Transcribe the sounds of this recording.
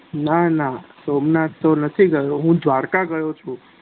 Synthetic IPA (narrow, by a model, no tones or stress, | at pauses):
nanasomnat̪ːonət̪ʰiɡəjoɦũd̪ʋaɾkaɡəjot͡ʃʰũ